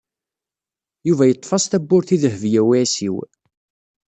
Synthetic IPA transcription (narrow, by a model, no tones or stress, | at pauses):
juvæjət̪ˤːfɑsˤt̪æbːʊɾθiðəhvjæwiæsiw